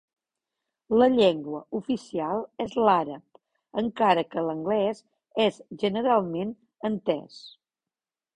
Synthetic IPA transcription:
ləʎɛŋɡwəufisialˠɛzlaɾəp̚ | əŋkaɾəkələŋɡlɛz | ɛzʒənəɾalˠmen | ənt̪ɛ̰s

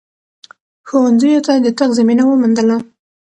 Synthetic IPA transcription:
xowanzəjot̪ad̪ət̪aɣzaminawəmand̪əla

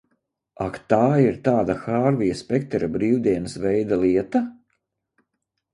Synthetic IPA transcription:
akt̪aːiɾt̪aːd̪axaːɾvijaspʲɛk̚t̪ɛɾabɾiːwd̪iɛnəsvɛjd̪alˠiɛt̪a

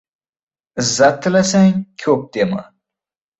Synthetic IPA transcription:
ɨzːat̪ʰːɨlasaŋkʲʰɵp̚d̪emɨ̰

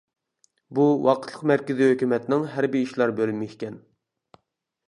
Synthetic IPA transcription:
buwɑqʰət̪lˠəqmæɾkʲɪzihøkʲymɛt̪nɪŋɦæɾbiiʃlˠɑɾbølylmikʲɛn

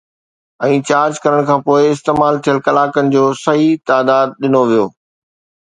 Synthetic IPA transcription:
ɛ̃ːt͡ɕaːɾd͡ʑkɐɾəɽ̃kʰãːpoːɪɪst̪eːmaːlt̪ʰijəlkɐlaːkənɪ̆d͡ʑoːsɐɦit̪aːd̪aːd̪̚ɗɪnoʋijoː

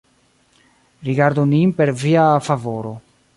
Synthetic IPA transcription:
ɾiɡaɾd̪oninpeɾviafavoɾo

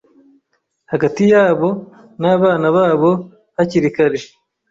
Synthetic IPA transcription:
haɡatijaːβo̞ | naːβaːnaβaːβo̞ | haciɾikaɾe

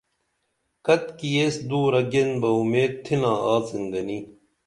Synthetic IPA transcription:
kɐt̪kieːsd̪uːɾɐɡenbɐumeːd̪̚t̪ʰinãːaːt͡sind̪ɐni

